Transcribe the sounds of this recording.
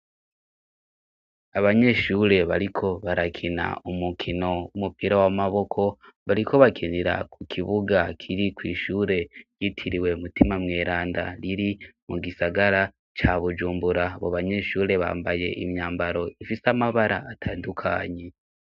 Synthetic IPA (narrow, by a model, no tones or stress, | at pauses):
aβaɲe̞ʃuːɾe̞βaɾikʰo̞βaɾakʰina̰umukʰino̞wumupiɾawamaβo̞kʰo̞βaɾiko̞βakʰiniɾa̰kukʰiβuɡakʰiɾikwiːʃuːɾe̞jitʰiɾiwe̞mutimamŋe̞ːɾaːnda̰ɾiɾimuɡisaɡaɾa | t͡ʃaβud͡ʒuːmbuɾaβoβaɲe̞ʃuːɾe̞βa̰ːmbaje̞̰ʔimɲaːmbaɾo̞ifisamaβaɾaːtʰaːndukʰa̰ɲe̞